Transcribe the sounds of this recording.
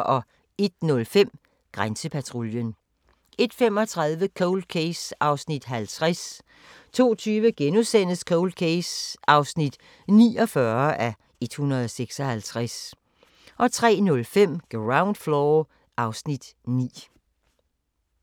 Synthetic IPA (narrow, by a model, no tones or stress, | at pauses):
ʔɒ̽ | e̝d̥̚nɔ̽lfem̰ | ɡ̥ʁansəpʰæt͡sʰʁoljən | e̝d̥femɒ̽t͡sʰʁɑ̈ðˠʋəkʰoʊld̥̚kʰeɪsɑ̈ʊsnid̥ɦælt͡sʰʁas | t͡sʰo̝̰ːt͡sʰyːʋəɡ̥enusen̰əskʰoʊld̥̚kʰesʔɑ̈ʊsnid̥ | nḭːɒ̽fɶɐʔæ | e̝d̥hunɐð̞̩ˠɒseɡ̥sɒ̽hælt͡sʰʁas | ʔɒ̽t͡sʰʁɛ̰ːnɔ̽lfem̰ɡ̥ʁɑ̈ʊnd̥flɔ | ʔɑ̈ʊsnid̥nḭː